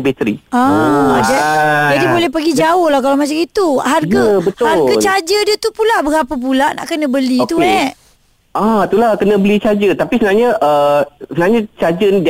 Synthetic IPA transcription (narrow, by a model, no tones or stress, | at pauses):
bet̪ɾḭadad͡ʒadibolɛhpəɡid͡ʒaʊhlahkalamat͡ʃamit̪uɦarɡabət̪harɡat͡ʃad͡ʒədiət̪upulaʔbəɾapəp̬ulaʔna̰ʔkənə̃bəlit̪uɛ | at̪ulakənə̃bəlit͡ʃad͡ʒət̪apisənaɲaʔəsənaɲãt͡ʃad͡ʒənid